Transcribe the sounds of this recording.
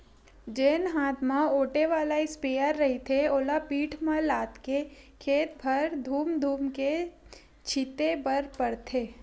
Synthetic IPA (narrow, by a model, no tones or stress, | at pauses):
d͡ʒeːnɦaːt̪ʰmãoːʈeʋaːlaɪspejəɾːɐɦit̪ʰeoːlapiːʈʰmãlaːt̪ke | kʰeːt̪bʱɐɾd̪ʱuːmd̪ʱuːmke | t͡ʃʰɪt̪ebɐɾpɐɽt̪ʰeː